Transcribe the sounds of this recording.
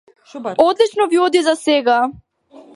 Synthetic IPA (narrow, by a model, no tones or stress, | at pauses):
ɔd̪lit͡ʃnɔviɔd̪izasɛɡa